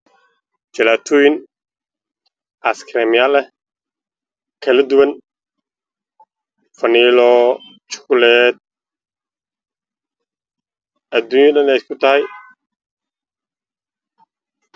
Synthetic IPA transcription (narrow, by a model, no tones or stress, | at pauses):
t͡ʃɐlaːt̪ʰuːjɪn | ʔaskʰɾɛmɪjalɛ | kʰɐlɐd̪ʊwɐn | fɐniːlɔ | t͡ʃʊ̥kʊlɛd̪̚ | ʔɐd̪unjɐdɐnɛjskʰʊt̪ʰɐhɛj